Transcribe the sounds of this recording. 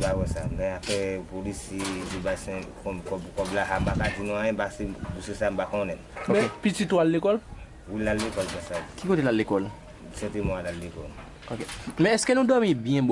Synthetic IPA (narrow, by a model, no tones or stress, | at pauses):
bawɛsamɛ̃afɛpolisidibasɛ̃kɔ̃kɔkɔblaɦambakadinɔ̃ãɛ̃basebusesambakɔ̃nɛ̃nomɛepitituallekɔl | wilalekɔlbɛsakikotelalekɔl | sɛ̃temɔ̃alalekɔl | okemɛ̃ɛskenũdɔmĩbjɛ̃b